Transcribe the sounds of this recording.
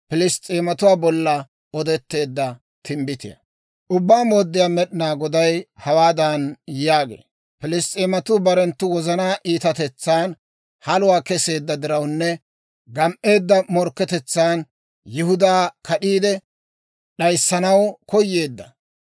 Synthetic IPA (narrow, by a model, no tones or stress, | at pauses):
pɪlɪst̪ʼeːmɐt̪ʊwaːbɔlːɐ | ɔd̪ɛt̪ːe̞ːd̪ːɐ | t̪ʰɪmbɪt̪ɪjɐ̰ | ʔʊbːaːmoːd̪ːɪjaːmɛɗɪnaːɡɔd̪ɐjhɐwaːd̪aːnjaːɡḛː | pɪlɪst̪ʼeːmɐt̪ʊbɐɾɛnt̪ːʊwɔzɐnaːʔiːt̪ɐt̪ɛt͡sːaːn | hɐlʊwaːkɛse̞ːd̪ːɐd̪ɪɾɐwnːɛ | ɡɐmʔe̞ːd̪ːɐmɔɾkːɛt̪ɛt͡sːaːn | jɪhʊd̪aːkʰɐɗiːd̪ɛ | ɗɐjsːɐnɐwkɔjːe̞ːd̪ːɐ